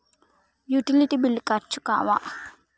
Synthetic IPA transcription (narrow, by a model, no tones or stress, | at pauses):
juʈiliʈibilːikat͡ʃːu̥ka̰ʋa̰ʔ